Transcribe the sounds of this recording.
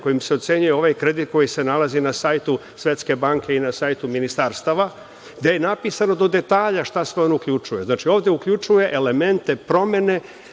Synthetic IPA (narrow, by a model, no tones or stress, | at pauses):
ko̞jimseot̪se̞ɲujeo̞ʋajkɾe̞d̪it̪̚ko̞jise̞nalazinasaːjt̪u | sʋe̞t̪ske̞baŋke̞inasajt̪uminist̪aːɾst̪aʋa | ɡd̪ejenapiːsano̞d̪o̞d̪e̞t̪aːʎaʃt̪asʋeonoukʎut͡ʃuje̞znaːt͡ʃio̞ːvd̪e̞ukʎut͡ʃuje̞ʔele̞me̞nt̪e̞pɾo̞me̞ne̞